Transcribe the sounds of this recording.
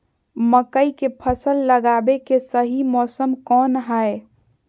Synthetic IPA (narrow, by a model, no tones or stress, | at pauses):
məkəikepʰəsəlːəɡabekesəɦimɔːsəmkɔːnɦəe